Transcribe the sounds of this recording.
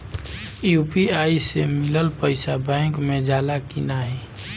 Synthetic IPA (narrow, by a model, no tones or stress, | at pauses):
juːpiaːisemɪləlpəɪsabɛ̃ːŋkmẽd͡ʒaːlakinaɦɛ